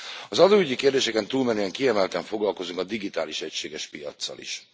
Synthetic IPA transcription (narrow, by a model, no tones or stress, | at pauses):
ɒzɒd̪oːyɟːikeːrd̪eːʃɛkɛnt̪uːlmɛnyɛŋkiɛmɛlt̪ɛɱfo̞ɡlɒlko̞zuŋkɒd̪iɡit̪aːliʃɛcʃeːɡɛʃpijɒ̰t̪sːɒ̰lḭʃ